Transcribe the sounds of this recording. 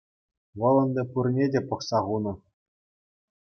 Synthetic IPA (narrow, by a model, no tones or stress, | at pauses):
ʋɤ̆lˠɤ̆nd̪ʲɤ̆purnʲedʲepɤ̆χsɑʁunɤ̆